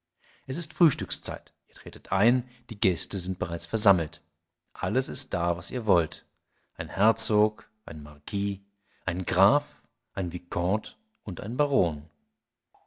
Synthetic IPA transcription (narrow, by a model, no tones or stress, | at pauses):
ʔɛsɪstfʁ̥yːʃtʏkst͡sa̰ɪtʔiːɐtʁ̥eːtətʰʔaɪnd̥iːɡɛstəzɪnt̚b̥əʁaɪt͡sfɛɐzaml̩t | ʔaləsɪst̚d̥aːvasiːɐvɔlt | ʔaɪnhɛɐt͡soːk | ʔaɪnəmaʁkʰiː | ʔaɪnɡʁaːf | ʔaɪnvikʰɔ̃t | ʔʊntʔa̰ɪnbaʁoːn